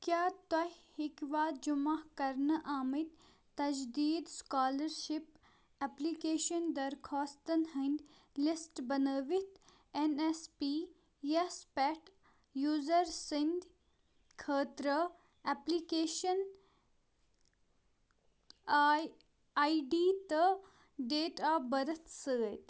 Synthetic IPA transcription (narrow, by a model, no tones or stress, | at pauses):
kjaːt̪ɐɦhikʋaːt̪̚d͡ʒʊmakɐɾnəʔaːmit̪ | t̪ɐd͡ʒd̪iːd̪skaːlɐɾʃɪp | eplikeːʃɐnd̪ɐɾkʰɔːst̪ənhɐ̃nd̪ | lɪsʈbɐnəːʋit̪ | enespiː | jespɛʈ | juːzəɾsind̪ | kʰəːt̪ɾə | ɛplikeːʃən | aiɖiːt̪ə | ɖeːʈabɐɾət̪ʰsəːt̪